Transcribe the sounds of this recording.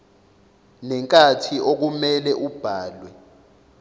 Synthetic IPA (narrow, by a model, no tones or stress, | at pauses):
nɛŋkʼatʰiʔok̬umɛlɛʔub̥ʱaːlwɛ